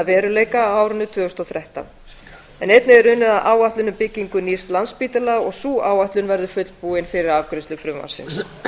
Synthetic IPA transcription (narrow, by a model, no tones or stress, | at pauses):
avɛːɾʏleːjkaːwaːwɾʏnːʏt̪ʰvœːɣʏst̪ɔθɾɛht̪a̰n | ɛnejt̪nɪɛɾʏnːʏðaðʔaːwaht̪lʏnʏmpɪcːiŋkʏnirst̪lanspiːt̪ɪlaɣɔɣsuːaːwaht̪lʏnvɛɾðʏfʏt̪lpuːɪnfɪɾɪɾavkɾɪsʏfɾʏmːa̰sɪ̰ns